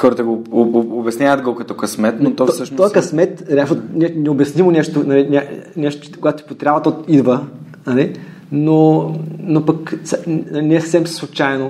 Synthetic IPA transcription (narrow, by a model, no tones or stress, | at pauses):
xɔɾət̪əɡoːbʲɛsnʲavəd̪ɡokɐt̪ɔkɐsmɛt̪not̪ɔɔsəʃnoɔjɐkɐsmɛt̪ɾʲaʃonɛnɛobjɐsnimonɛʃt̪ʊnɐlinʲanɛʃt̪ʊt͡ʃkoɡat̪o̥ipot̪ɾʲabvət̪ot̪id̪və | nɐli | nonopɐksnɐinɛsə̥fsɛmsslˠut͡ʃajno